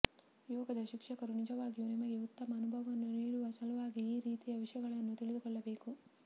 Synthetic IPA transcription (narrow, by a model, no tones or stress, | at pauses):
jɔːɡɐd̪ɐʃikʂɐkɐɾunid͡ʒɐʋaːɡijunimɐɡiut̪ːɐmɐːnubʱɐʋɐɐnːuniːɽuʋɐsɐlɐʋaːɡiiːɾiːt̪ijɐʋiʂjɐɡɐɭɐnːut̪iɭid̪ukɔɭːɐbe̞ːku